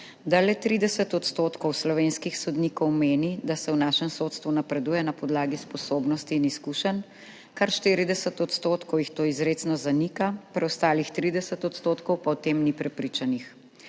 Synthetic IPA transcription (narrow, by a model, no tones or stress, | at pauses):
d̪alɛt̪ɾid̪ɛsət̪ɔt̪st̪ot̪kɔwslɔʋeːnskixsɔd̪nikɔwmeːnid̪asɛwnaːʃɛmsot̪st̪ʋunapɾɛd̪uːjɛnapɔd̪laːɡispɔsoːbnɔst̪iːniskuʃən | kaɾʃt̪iɾid̪ɛsət̪ɔt̪st̪oːt̪kɔwjixt̪oːizɾeːsnɔzanikapɾɛɔst̪aːlixt̪ɾid̪ɛsət̪ɔt̪st̪oːt̪kɔwpawt̪eːmnipɾɛpɾit͡ʃanix